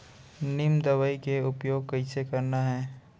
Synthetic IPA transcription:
nɪmd̪ɐʋəikeʊpjoːɡ̚kɐɪsekɐɾnaɦɛː

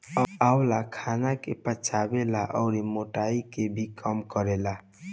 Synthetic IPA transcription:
aʊlakʰanakepət͡ʃʰabelaʔɔ̰ʊɾimoʈaikebʱikəmkəɾela

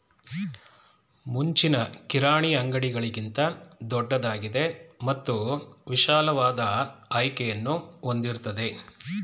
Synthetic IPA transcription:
muɲt͡ʃinɐkiɾaːɳiɐŋɡɐɽiɡɐɭiɡint̪ɐd̪ɔɖːɐd̪aːɡid̪e̞mɐt̪ːuʋiʃaːlɐʋaːd̪ɐɐjkejɐnːuond̪iɾt̪ɐd̪e̞

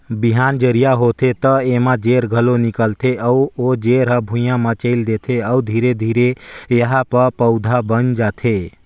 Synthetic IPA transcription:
biɦand͡ʒəɾijaɦot̪ʰet̪əemãd͡ʒeɾɡʱəlonikəlt̪ʰeʔəuod͡ʒeɾɦəbʱũjãmət͡ʃəɪld̪et̪ʰeəud̪ʱiɾed̪ʱiɾejəɦapəɾpəʊd̪ʱabənd͡ʒat̪ʰe

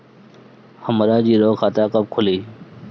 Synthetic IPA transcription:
həmɾaːd͡ʒiːɾoːkʰaːt̪aːkəb̚kʰʊliː

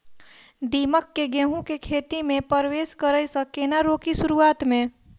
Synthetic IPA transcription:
d̪iːməkːeɡɛ̃ɦũkekʰeːt̪imẽpəɾʋeːskəɾəjsəkenaɾoːkisʊɾuaːt̪mẽ

